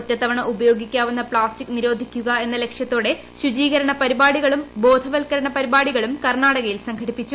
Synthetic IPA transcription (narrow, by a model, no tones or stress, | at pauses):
otːɐt̪ːɐʋɐɳɐubɐjo̞ːɡikʲːaːʋunːɐpɭaːstikːniɾo̞ːd̪ʱikʲːuɣɐe̞nːɐle̞kʂjɐt̪ːo̞ːɽe̞ | ɕud͡ʑiːɣɐɾɐɳɐpɐɾibaːɽiɣɐɭumbo̞ːd̪ʱɐʋɐlkɐɾɐɳɐpɐɾibaːɽiɣɐɭumkɐrɳaːɽɐɣɐjilsɐŋɡʰʱɐɽipːit͡ɕːu